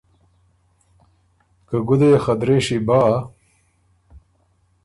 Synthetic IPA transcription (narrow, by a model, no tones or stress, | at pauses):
kɐɡud̪ejexɐd̪ɾeːɕibaː